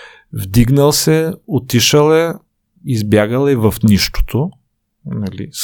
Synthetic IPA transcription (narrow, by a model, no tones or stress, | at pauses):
vd̪iɡnəlˠsɛot̪iʃəlˠɛ | izbjaɡəlˠɛvɐfniʃt̪o̥t̪ʰo | nɐlḭs